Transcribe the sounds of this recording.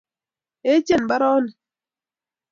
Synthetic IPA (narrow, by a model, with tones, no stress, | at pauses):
e˦t͡ʃe˦˨nba˦ɾɔ˦nɛ˨